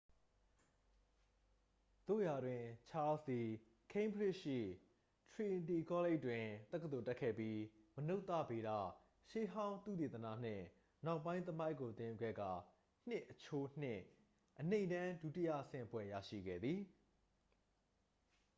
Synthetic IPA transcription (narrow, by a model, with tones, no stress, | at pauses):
t̪o̰˦˨ja˨dwɪ̃˨t͡ɕʰa˦li˨ | kʰẽ˦ɪ̃mpʰəɹɪ˦ʔʃḭ˦˨ | tʰɹi˨ndi˨kʰɔ˦le˦ɪtwɪ̃˨t̪ɛ˦k̬ːəd̪o˨tɛ˦ʔkʰːɛ̰˦˨pji˦məno˦ʊt̪ːä̰˦˨be˨ɾa̰˦˨ | ʃe˦ɦã˦ʊ̃nt̪ṵ˦˨t̪e˨t̪ənä̰˦˨n̥ɪ̰̃˦˨ | na˨ʊpːã˦ɪ̃nt̪əma˦ɪkːo˨t̪ɪ̃˦˨ju˦˨ɡɛ̰˦˨ɡa˨ | n̥ɪ˦ʔːət͡ɕʰo˦n̥ɪ̰̃˦˨ | ʔənẽ˦˨ɪ̃ndã˦du˦˨tɪ˦jä̰˦˨ʔəsɪ̰̃˦˨pwɛ̰˦˨ja̰˦˨ʃḭ˦˨ɡɛ̰˦˨d̪ði˨